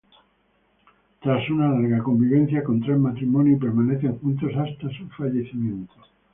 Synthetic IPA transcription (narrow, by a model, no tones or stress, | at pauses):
t̪ɾasunalaɾɣako̞mbiβ̞ẽn̟θjakõnt̪ɾezmat̪ɾimonjup̬eɾmaneθeŋxunt̪osast̪asufaʎeθimjẽnt̪o